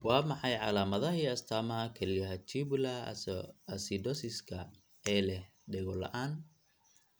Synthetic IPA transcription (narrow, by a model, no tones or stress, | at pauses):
wɑːmɑħɑjʕɑ̰laːmɐðɐɦiːɐst̪ʰaːmɐɐkʰɐlɪjɐɦɐt͡ʃiβʊla | ɐsid̪ɔsɪskʰɐ | ɛːlɛh | ɖɛɣɔlɐ̰ʔaːn